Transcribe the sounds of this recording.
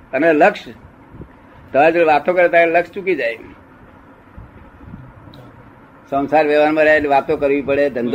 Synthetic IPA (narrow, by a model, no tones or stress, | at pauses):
əneləkʃ | t̪əʋad͡ʒeʋat̪okəɾet̪ːləkst͡ʃukid͡ʒaj | sə̃wsaɾʋeʋanmãɾeɦeliʋat̪okəɾʋipəɽed̪ʱənd̪